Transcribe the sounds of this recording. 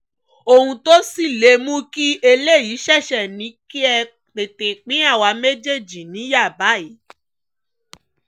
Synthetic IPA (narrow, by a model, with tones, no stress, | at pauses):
o˧hũ˧to˦si˦˨le˨˦mũ˦ki˦e˧le˦˨ji˨˦ʃɛ˦˨ʃɛ˨nĩ˨˦ki˦ɛ˧ | k͡pe˨te˨k͡pĩ˨˦a˦˨wa˧me˦d͡ʒe˦˨d͡ʒi˨nĩ˨˦ja˦˨ba˨˦˨i˨˦